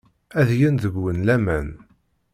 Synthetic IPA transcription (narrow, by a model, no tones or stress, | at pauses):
æðjænðəɡwənlæmæn